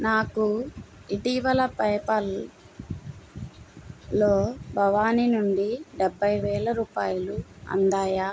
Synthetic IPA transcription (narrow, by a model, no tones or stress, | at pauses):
naːkuiʈiːʋɐlɐpɐjpɐl | oːbʱɐʋaːninuɳɖiɖɛbʱːɐjʋɛːlɐɾuːpaːjɐluɐ̰nd̪aːjaː